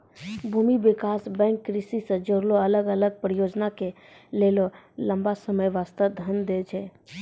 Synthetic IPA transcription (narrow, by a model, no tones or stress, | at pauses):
bʱuːmiʋɪkaːsbɛ̃ːŋkːɾɪsisəd͡ʒoɾloɐləɡələɡ̚pɾəjoːd͡ʒnake | leːlolɐ̃mbasəməjʋaːst̪əd̪ʱənd̪ed͡ʒʰɛː